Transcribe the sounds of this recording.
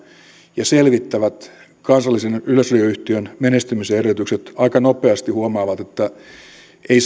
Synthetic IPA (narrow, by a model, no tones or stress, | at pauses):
jɑselʋit̪ːæʋæt̪ | kɑnsɑlːisenyløslyøyht̪iønmenest̪ymiseerjøt̪ykset̪ɑikɑnopeɑst̪ihuomɑːʋɑt̪et̪ːæ | eis